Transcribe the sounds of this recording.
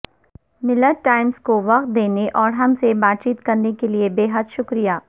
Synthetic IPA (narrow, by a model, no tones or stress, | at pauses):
mɪləɾʈaːɪmskoʋɐq̚t̪̚d̪eːneʔɔːɾɦɐmsebaːt̪̚t͡ʃiːt̪kɐɾnekeliebeːɦəd̪ʃʊkɾijaː